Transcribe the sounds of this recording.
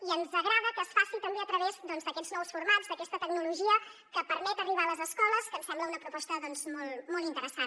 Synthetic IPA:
iənzəɣɾaðəkəːsfasit̪əmbeət̪ɾəβezd̪ɔnzd̪əkɛdznɔwsfuɾmad͡zd̪əkɛst̪ət̪əɡnuluʒiəkəpəɾmɛt̪əriβ̞aələzəskɔləskəmsɛmbləunəpɾupɔst̪əðɔnzmɔlˠmɔlˠt̪int̪əɾəsa

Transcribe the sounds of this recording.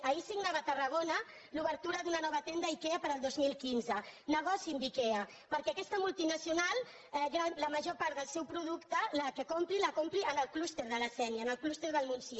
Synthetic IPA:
əisiɡnaβət̪ərəɣ̞onə | luβəɾt̪uɾəðunənɔβət̪end̪aikɛəpəɾəlˠd̪ozmilˠkinzənəɣ̞ɔsinb̪ikɛə | pəɾkɛəkɛst̪əmulˠt̪inəsiunalˠ | ɛɣaləməʒopaɾt̪ðəlˠsɛwpɾuðukt̪ələkəkompɾiləkompɾiənəlˠklust̪eɾðələsɛnəːnəlˠklust̪eɾðəlˠmunsi

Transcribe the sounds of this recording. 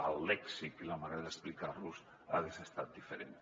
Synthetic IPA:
a̰lːɛksikilamaɾeðesplikalus | a̰ðesest̪at̪̚d̪ifeɾen

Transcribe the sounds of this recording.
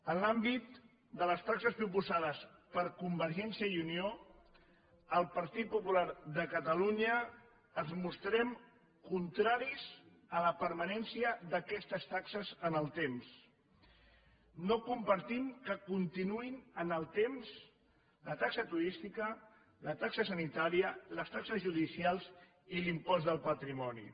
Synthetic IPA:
ənlambit̪̚ | d̪ələst̪aksəspɾupuzaðəspəɾkumbəɾʒɛnsiəiunio | əlˠpəɾt̪it̪̚pupulaɾðəkət̪əluɲəː | zmust̪ɾɛm | kunt̪ɾaɾiz | ələpəɾmənɛnsiəðəkɛst̪əst̪aksəzənəlˠt̪ems | nokumpəɾt̪imkəkunt̪inuinənəlˠt̪emz | lət̪aksət̪uɾist̪ikə | lət̪aksəsənit̪aɾiələst̪aksəzʒuðisialˠz | ilimpɔzðəlˠpət̪ɾimɔnḭ

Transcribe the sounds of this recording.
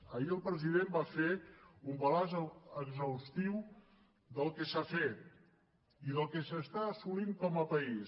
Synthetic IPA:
əiəlˠpɾəziðembafeumbəlazəɡzəwst̪iw | d̪əlˠkəsafet̪̚ | iðəlˠkəsəst̪aːsuliŋkɔməpəis

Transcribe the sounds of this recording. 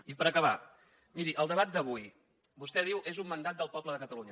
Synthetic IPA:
ipəɾəkəβa | miɾiʔəlˠd̪əβat̪̚d̪əβ̞uj | bust̪ɛð̞iwʔezumːənd̪at̪̚d̪əlˠpɔbləðəkət̪əluɲə

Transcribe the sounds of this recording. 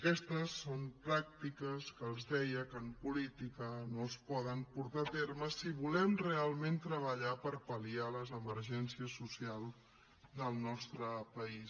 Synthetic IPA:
əkɛst̪əsːompɾak̚t̪ikəskəːlˠzðɛjəkəːmpulit̪ikənoəspɔðəmpuɾt̪at̪erməsiβulɛmrealˠment̪ɾəβəʎapəɾpəlialəzəməɾʒɛnsiəsːusialˠ | d̪əlˠnɔst̪ɾəpəis

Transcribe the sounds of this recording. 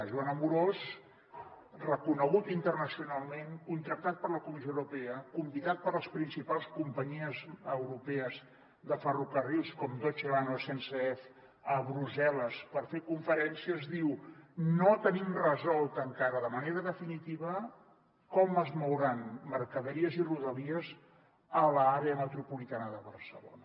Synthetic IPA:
ʒuanəmuɾoz | rəkunəɣut̪int̪ərnəsiunalˠmeŋkunt̪ɾək̚t̪at̪̚pəɾləkumizjowɾupɛəkumbiðat̪̚pəɾləspɾinsipalˠskumpəɲiəzəwɾupɛəz | ðəfərukərilˠskɔmd̪ot͡ʃilanosenseɛf | əβɾuzɛləspəɾfekuɱfəɾɛnsiəzðiwnot̪ənimrəzɔlˠt̪əŋkaɾəðəməneɾəðəfinit̪iβə | kɔməzmowɾanməɾkəðəɾiəziruðəliəz | ələaɾeəmət̪ɾupulit̪anəðəβərsəlo̰nə

